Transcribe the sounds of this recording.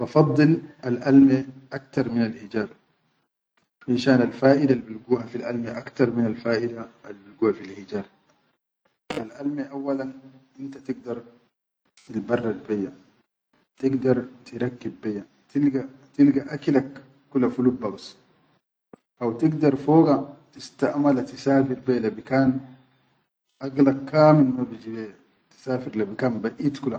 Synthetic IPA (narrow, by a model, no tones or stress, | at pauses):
bɑfɑd̪ˤːɨlalʔalmeʔakt̪ɑɾˤminalʔid͡ʒaːb | ʔɪnʃaːnalfaːʔid̪albilɡuːhafilʔalmeʔakt̪ɑɾˤminalfaːʔid̪aalːbilɡuːhafilhid͡ʒaːɾ | ʔalʔalmeʔawːalanʔɪnt̪at̪ɪɡ̚d̪ɑɾˤ | t̪ilbɑrˤːɑlbejːa | t̪iɡd̪ɑɾˤt̪iɾˤɑkːibːejːa | t̪ilɡat̪ilɡaʔaklakː | ulːafulubaws | ʔawt̪iɡd̪ɑɾˤfoːɡat̪ist̪aʔmalat̪isaːfiɾbeːlabikaːn | ʔaɡlakʰːaːmilmabid͡ʒibeja | t̪i̥saːfiɾlabikaːnbaʔiːt̪kula